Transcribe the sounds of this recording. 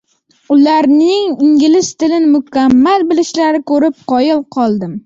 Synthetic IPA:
ʊlaɾnɪŋɪŋɡʲɪlɪst̪ʰɪlɪnɪmʊkʲʰamːalbɪlɪʃlaɾɪkʰɵɾɪp̚qʰɒjɪlˠqʰɒlˠd̪ɪm

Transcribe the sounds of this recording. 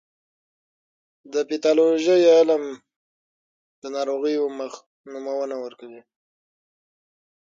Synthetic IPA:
d̪əpit̪ɑloʒəjalam | d̪ənɑɾoɣəjoməx | numawənawəɾkawi

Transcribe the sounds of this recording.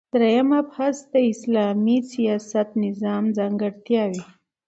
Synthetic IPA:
d̪̥ɾejamapasd̪əɪslɑmisijɑsat̪nɪzɑmzɑŋɡəɽt̪jɑwi

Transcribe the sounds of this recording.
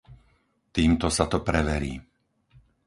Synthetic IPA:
t̪iːmt̪ɔsat̪ɔpɾɛʋɛɾḭː

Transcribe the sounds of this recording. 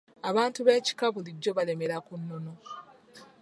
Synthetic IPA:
aβaːntuβe̞ːci̥kaβuliɟːo̞βale̞me̞ɾakunːono̞

